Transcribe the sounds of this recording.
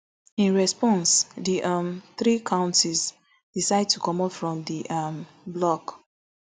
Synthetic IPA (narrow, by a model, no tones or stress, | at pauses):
ĩnɹɛspɔ̃nsðiʔʌmθɹikʰãʊ̃ntiz | d̥isaɪd̚tʰukɔ̃mɔtfɹɔ̃mdiʔʌm | blɔk